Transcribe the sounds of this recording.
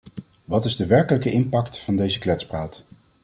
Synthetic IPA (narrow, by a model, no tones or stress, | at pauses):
ʋɑtɪzdəʋɛɹkələkəʔɪmpɑktfɑndejzəklɛtspraːt